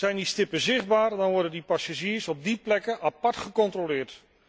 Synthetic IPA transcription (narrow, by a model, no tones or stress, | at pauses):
zɛjndistɪpəzɪχ̚baːɹdɑnʋɔɹdəndipasaʒiːəsɔb̚diplɛkəʔapɑɹtχəkɔntrolɪːɹt